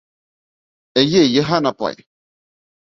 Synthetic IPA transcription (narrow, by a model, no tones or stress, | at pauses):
ɛjejeɦanapa̰j